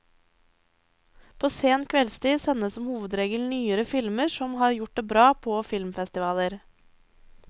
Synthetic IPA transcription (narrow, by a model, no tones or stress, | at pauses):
pʰoːseːnkʰʋɛlst̪iːsɛnəsɔmhuːʋəd̪ɾeːɡəlnyːəɾəfɪlməɾʃɔmhɑːɾjʊʈ̚d̪eːbɾɑːpʰoːfɪlmfɛst̪ɪʋɑːləɾ